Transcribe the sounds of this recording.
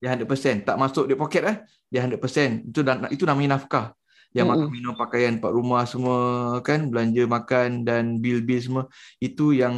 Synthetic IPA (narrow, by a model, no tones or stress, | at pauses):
diaɦandaʔpəsɛnt̪aʔmasʊk̚deʔpokɛt̪̚lah | diaɦandəʔpəsɛnit̪uait̪unamaɲənafka | jaŋmakanminɔŋpakajanpaʔ̪ɾumahsəmɔkanbəlaɲd͡ʒəmakandanbilbils̬əməit̪ujaŋ